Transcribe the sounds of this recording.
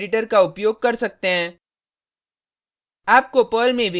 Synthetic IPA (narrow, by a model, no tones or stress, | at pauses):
ɖɪʈ̬əɾkaʊpjoːɡ̚kɐɾsɐk̚t̪eɦɛ̃ː | aːp̚kopəːlmẽbʱ